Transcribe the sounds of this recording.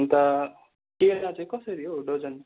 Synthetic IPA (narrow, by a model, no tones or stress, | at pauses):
nt̪ʌ | kenat͡saĩkʌsʌɾiɦoɖod͡zʌn